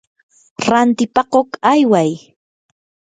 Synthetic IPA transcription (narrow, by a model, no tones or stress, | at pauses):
ɾant̪ɪpɑqokajwaj